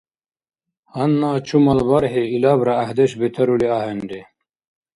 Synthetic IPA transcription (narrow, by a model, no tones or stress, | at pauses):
hɐnːaːt͡ɕʰumɐlbɐɾɦeilaːbɾɐːhd̪eɕbet̪ʰɐɾuliaːɦenɖe